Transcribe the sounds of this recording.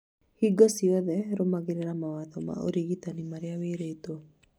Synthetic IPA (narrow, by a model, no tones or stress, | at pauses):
hiɡɔsiwad̪ɛɾomaɡiɾiɾamawat̪ɔma̰ʔṵɾiɡit̪animaɾijawiɾet̪u